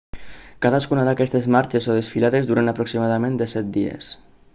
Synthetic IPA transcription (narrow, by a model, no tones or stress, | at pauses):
kaðaskunaðakɛst̪ezmaɾt͡ʃesoðesfilaðezd̪uɾanapɾoksimaðamẽnd̪esɛt̪̚d̪iḛs